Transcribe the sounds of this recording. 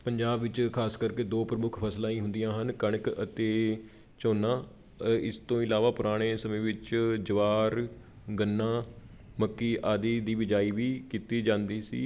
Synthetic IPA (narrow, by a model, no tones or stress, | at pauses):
pəɲd͡ʒaːbʋɪt͡ʃkʰaːskəɾkeːd̪õːpɾəmʊkʰpʰəslãːĩːɦʊnd̪ijãːɦənkəɳkət̪eː | t͡ʃoːnːãː | ɪst̪õːɪlaːʋaːpʊɾaːɽ̃eːsəmẽːʋɪt͡ʃd͡ʒəʋaːɾ | ɡənːãː | məkːiːʔaːd̪iːd̪iːʋɪd͡ʒaːiːʋiːkiːt̪iːd͡ʒãːnd̪iːsḭː